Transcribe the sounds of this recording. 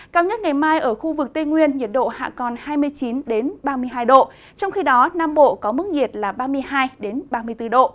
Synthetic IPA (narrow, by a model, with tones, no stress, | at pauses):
kaː˨˧wɲə˦˥t̚ŋa˨˩jmaː˧jʔəː˧˩xu˧vɨ˨˩k̚t̪e˧ŋwi˧ənɲi˨˩t̚ɗo̰˧˨ha̰ː˧˨kɔ˨˩nhaː˧jmɨ˧əjt͡ɕi˨˦nɗe˨˦nɓaː˧mɨ˧əjɦaː˧jɗo̰˧˨ | t͡ɕɔ˧wŋ͡mxi˧ɗɔ˨˦naː˧mɓo̰˧˨kɔ˨˦mɨ˦˥k̚ŋi˨˩ət̚laː˨˩ɓaː˧mɨ˧əjɦaː˧jɗe˨˦nɓaː˧mɨ˧əjt̪ɨ˧ɗo̰˧˨